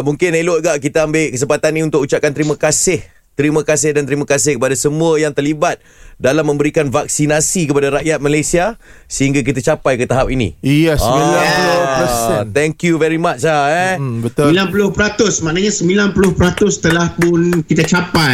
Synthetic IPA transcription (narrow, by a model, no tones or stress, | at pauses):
muŋkɪneloɡaʔkit̪aambeʔkəs̬əmpat̪anĩunt̪ʊkut͡ʃap̚kant̪əɾimakasɪh | t̪ɾimakasɪhdant̪ɾimakasɪhkəpadasəmũəjaŋt̪ərlibat̪̚dalamːə̃mbəɾikanvak̚sinasikəpadaɾaʔjat̪̚malajsiasəɦiŋɡak̬it̪at͡ʃapajkət̪aɦap̚inḭ̃jɛsmilaləsɛt̪ɛŋkjuvɛɾimat͡ʃaɛbət̪ilanpulʊhpəɾat̪ʊsmaʔnaɲasəmbilanpulʊhpəɾat̪ʊst̪əlahpʊnkit̪at͡ʃapaj